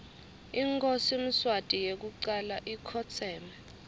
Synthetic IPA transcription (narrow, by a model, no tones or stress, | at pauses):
iŋkʰʼosim̩swatʼijek̬uǀalaʔikʰɔt͡sʰɛːma